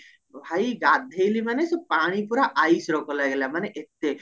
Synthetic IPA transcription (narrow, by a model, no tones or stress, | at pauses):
bʱaiɡat̪̚d̪ʱejlimanesɔpaːɽ̃ipuɾaʔaisɾokɔlaɡelamaneʔet̪ːe